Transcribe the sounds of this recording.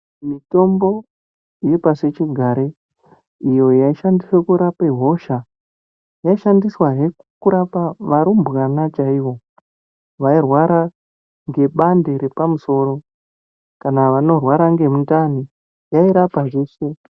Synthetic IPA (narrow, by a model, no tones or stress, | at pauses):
mito̞mbo̞ | ijipaset͡ʃiɡʱaɾe | ijo̞jaiʃandiswekuɾapaɦo̞ʃa | jaiʃandiswaɦe | kuɾapaʋaɾumbɣanat͡ʃaiʋo̞ | ʋairwaɾa | ŋɡe̞ɓande̞ɾe̞pamuso̞ɾo̞ | kanaʋano̞rwaɾaŋɡe̞muntani | jaiɾapaʐeːse̞